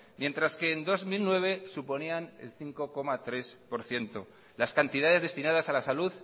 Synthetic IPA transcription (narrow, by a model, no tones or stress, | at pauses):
mje̞nt̪ɾaske̞ːnd̪o̞zmilnwe̞β̞e̞supo̞niane̞̰lθiŋko̞ko̞mat̪ɾe̞spo̞ɾθje̞nt̪o̞ | laskant̪iðaðe̞zðe̞st̪inað̞asalasaluð